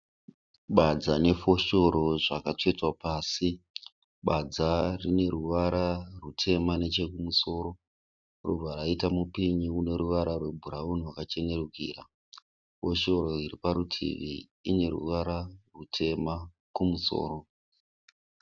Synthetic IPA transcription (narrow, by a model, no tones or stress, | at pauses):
ɓad͡zane̞fo̞ʃo̞ɾo̞ʐakat͡ʂetwapaːsi | ɓad͡zarine̞ɾuʋaɾarutʰe̞mane̞t͡ʃe̞kumuso̞ːɾo̞ | rṵbʱaɾaitamupiɲiune̞ɾuʋaɾarwe̞bʱuɾauniwakat͡ʃe̞ne̞rukḭːra | fo̞ʃo̞ɾo̞iɾipaɾutʰḭʋi | ine̞ɾṵʋaɾarutʰe̞ma | kumuso̞̰ːɾo̞